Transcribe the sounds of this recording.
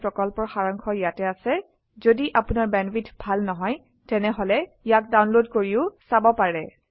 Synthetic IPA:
pɹɔkɔlpɔɹxaɹɔŋkʰɔjatɛasɛ | zodiʔapunaɹbɛnbitʰbʱalnɔɦɔj | tɛnɛɦɔlɛ | jak̚dawnlodkoɹiʊsabɔpaɹɛ

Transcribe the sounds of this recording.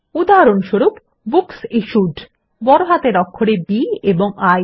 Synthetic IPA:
ud̪aɾonʃoɾup | buksiʃuɖ | bɔɾoɦat̪eɾɔkʰːoɽebieboŋaj

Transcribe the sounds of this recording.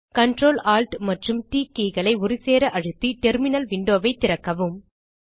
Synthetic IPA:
kɐɳʈroːlaːlʈmɐʈrɯmʈiːkiːɣɐɭɐɪʊɾɪseːɾɐʔɐɻɯt̪ːiʈɛɾmɪnɐlʋɪɳɖoːʋɐɪt̪ːɪɾɐkːɐʋɯm

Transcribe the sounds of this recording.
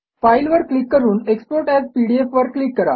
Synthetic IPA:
failʋəɾklikːəɾuːnekspoɾʈæzpiɽiefʋəɾklikːəɾa̰

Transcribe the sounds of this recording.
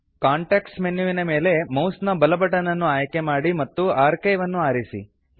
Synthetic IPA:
kaːɳʈeːksmenjuʋinɐme̞ːle̞mɐwsnɐbɐlɐbɐʈːɐnɐnːuaːjɐke̞maːɽimɐt̪ːuaːɾkejʋɐnːuaːɾisḭ

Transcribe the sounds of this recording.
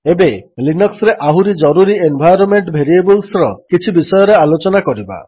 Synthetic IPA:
ebelinɔksɾeʔaɦuɾid͡ʒɔɾuɾienbʱajɾɔmeɳʈbʱeɾiebulsɾɔkit͡ʃʰibisɔjɔɾealot͡ʃɔnakɔɾiba̰

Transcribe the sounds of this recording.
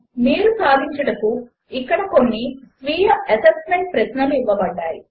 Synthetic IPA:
miːɾusaːd̪ʱiɲt͡ʃɐɽɐku | ikːɐɽɐko̞nːisʋiːjɐɐsɐsmeɳʈ̚pɾɐʃnɐluiʋːɐbɐɖːaːji

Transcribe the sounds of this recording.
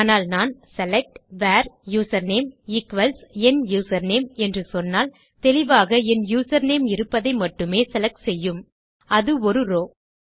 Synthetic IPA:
naːlnaːnsɛlɛk̚ʈʋaːɾjuːsɐɾneːmɪkʋɐlsɛnjuːsɐɾneːmɛndrɯsɔnːaːl | t̪ɛlɪʋaːɣɐɛnjuːsɐɾneːmɪɾɯpːɐðɐɪmɐʈːɯmeːsɛlɐk̚ʈsɛjːɯm | ɐðɯɔɾɯɾoː

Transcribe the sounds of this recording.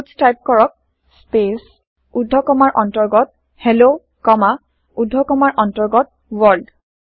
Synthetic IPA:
tstajp̚kɔɹɔk̚ | spes | udʱːɔkɔmaɹʔɔntɔɹɡɔt̚ | helo | kɔma | udʱːɔkɔmaɹʔɔntɔɹɡɔt̚ | wɔɹld

